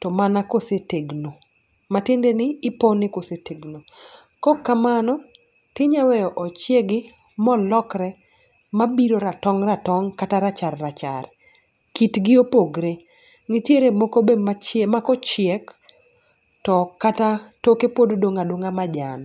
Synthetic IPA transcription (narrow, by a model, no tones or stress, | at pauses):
tɔmanakoseteɡnomatɪndenɪːponɪkoseteɡnokɔkːamanɔ | tɪɲawɛɔʔɔt͡ʃjeɡɪmɔlɔkɾɛ | mabiɾoɾatɔŋratɔŋkataɾat͡ʃarːat͡ʃa̰r | kitɡɪopoɡɾe | ŋɪtjeɾemokobemat͡ʃmakɔt͡ʃɪɛk | tɔkatatokepododoŋadoŋamad͡ʒan